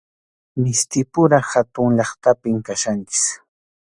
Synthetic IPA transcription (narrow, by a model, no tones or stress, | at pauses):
mɪst̪ɪpʊɾahat̪ʊŋʎɑχt̪apɪmkaʃant͡ʃɪ̥s